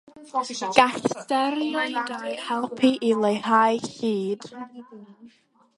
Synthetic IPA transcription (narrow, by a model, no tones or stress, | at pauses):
ɡ̥astɛɾjɔdhɛlˠpʰiʔilˠejhajɬiːd̥